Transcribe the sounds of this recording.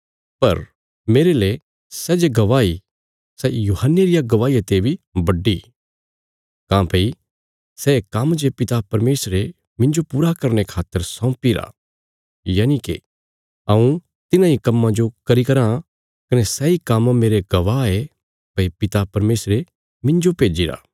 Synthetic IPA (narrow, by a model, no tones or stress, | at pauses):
pɐ̰ɾ | meːɾele | sɛːd͡ʒeɡɐʋaːi | sɛjuːhənːeɾɪjaɡɐʋaːijat̪ebʱibɐɖːi | kãːpei | sɛːkamd͡ʒepɪt̪apɐɾmeːsɾe | mɪ̃ɲd͡ʒopuːɾakɐɾñekʰaːt̪ːəɾsɔ̃ːpiɾa̰ | jaːnikḛ | ɐũ | t̪ɪnãikɐmːãd͡ʒokɐɾikɐɾã | kɐnɛsɛːikammeːɾeɡɐʋaːe | pɐipɪt̪apɐɾmeːsɾe | mɪ̃ɲd͡ʒopeːd͡ʒiɾa̰ː